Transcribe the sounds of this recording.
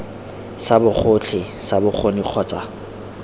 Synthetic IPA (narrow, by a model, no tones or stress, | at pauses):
sabʊχʰʊt͡ɬʰɪsabʊk͡xʰoniq͡χʰɔːt͡sʼa